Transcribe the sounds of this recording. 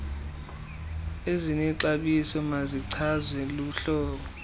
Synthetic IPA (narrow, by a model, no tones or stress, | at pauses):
ezinɛǀaɓisɔmaziǀʰazwɛluɬɔːɓɔ